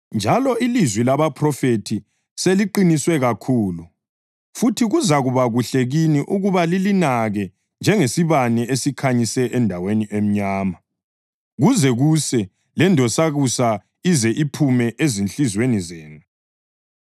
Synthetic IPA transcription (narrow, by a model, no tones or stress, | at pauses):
nd͡ʒʱalɔilizwilaβapʰrɔfetʰi | seliǃiniswɛɣakʰuːlu | futʰiɣuzaɣuβaɣuɬeɣiniʔuɣuβalilinaɣɛ | nd͡ʒʱɛŋesiβanɛʔesikʰaɲisɛʔɛndʱaweniʔem̩ɲaːma | ɣuzɛɣusɛ | lɛndʱɔsaɣusa | izɛʔipʰumɛʔezinɬizwenizeːnu